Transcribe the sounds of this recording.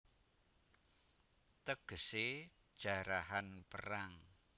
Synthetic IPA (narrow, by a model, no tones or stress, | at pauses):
t̪əɡ̥ə̤sed̥ʒ̥a̤ɾaɦanpəɾaŋ